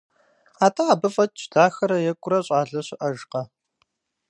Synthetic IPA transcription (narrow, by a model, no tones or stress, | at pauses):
aːtʰaaːbɐfʼɐtʼt͡ʃʰdaːxɐɾɐjɛkʷʼʊɾɐɕʼaːɮɐɕɪʔɐʒqɐ